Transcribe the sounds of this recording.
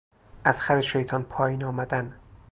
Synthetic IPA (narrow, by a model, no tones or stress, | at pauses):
ʔæz̥xæɾeʃejt̪ʰɒːnpʰɒːjiːnɒːmæd̪æn